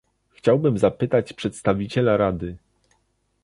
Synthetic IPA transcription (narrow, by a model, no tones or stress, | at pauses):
xt͡ɕawbɘmzapɘt̪at͡ɕpʂɛt̪st̪avʲit͡ɕɛlaɾad̪ɘ